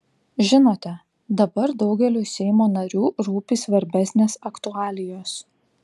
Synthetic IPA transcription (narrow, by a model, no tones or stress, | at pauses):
ʒʲɪnoːt̪ʲɛ | d̪ɐbɐɾd̪ɒʊɡʲɛlʲuːsʲɛɪmoːnɐɾʲuːɾuːpʲiːsʋɐɾʲbʲæsʲnʲeːsɐkt̪ʊɑːlʲɪjoːs